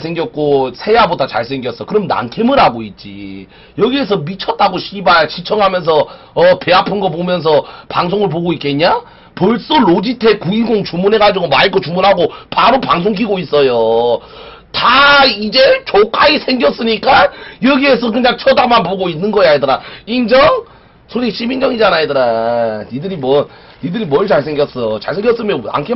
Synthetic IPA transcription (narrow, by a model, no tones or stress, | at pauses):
sʰe̞ŋɡjʌk̚k͈osʰe̞jabodat͡ɕa̰ɭsʰeŋɡjʌs͈ʌkɯɾʌmna̰nkʰemɯɾɦaɡoit̚t͡ɕ͈ḭ | jʌɡie̞s̬ʰʌmit͡ɕʰʌt̚t͈aɡoɕʰibaɕʰit͡ɕʰʌŋɦamjʌns̬ʰʌ | ʌpe̞apʰɯnɡʌpomjʌns̬ʰʌpaŋs̬ʰoŋɯɭp̬oɡoik͈eɲa | pʌɭs͈oɭod͡ʑitʰe̞kuiɡoŋt͡ɕumunɦe̞ɡad͡ʑiɡomaik͈ot͡ɕumunɦaɡopaɾopaŋsʰoŋk̬ʰiɡois͈ʌjo | taid͡ʑe̞t͡ɕok͈aisʰe̞ŋɡjʌs͈ɯɲik͈ajʌɡie̞s̬ʰʌkɯɲaŋt͡ɕʰʌdamanpoɡoinːɯnɡʌjaedɯɾaind͡ʑʌŋ | sʰoɾik̚ɕ͈ʰimind͡ʑʌŋid͡ʑanaedɯɾanidɯɾimwʌ | nidɯɾimwʌɭt͡ɕaɭsʰe̞ŋɡjʌs͈ʌjot͡ɕa̰ɭsʰeŋɡjʌs͈ɯmjʌna̰nkʰe